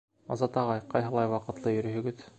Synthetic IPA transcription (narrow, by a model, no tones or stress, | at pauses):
ɒ̰zɑt̪ɑʁɑjqɑjɦɤ̆lˠɑjwɑqɤ̆t̪lˠɤjɵ̆ɾɘ̆ɦɵ̆ɡɘð